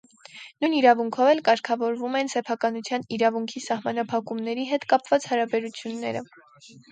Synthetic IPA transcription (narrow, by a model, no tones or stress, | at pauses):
nujniɾɑvuŋkʰɔvɛlkɑɾkʰɑvɔɾvumɛnsɛpʰɑkɑnut͡sʰjɑniɾɑvuŋkʰisɑhmɑnɑpʰɑkumnɛɾiɦɛt̪kɑpvɑt͡shɑɾɑbɛɾut͡sʰjunːɛɾə̰